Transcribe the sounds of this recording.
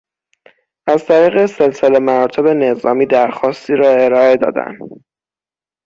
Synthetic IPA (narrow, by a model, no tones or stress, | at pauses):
ʔæzt̪ʰæɾiːɣe̞se̞lsele̞mæɾt̪ʰo̞be̞ne̞zɒːmiːd̪æɾxɒːst̪iːɾɒːe̞ɾɒːe̞d̪ɒ̰ːd̪æ̰n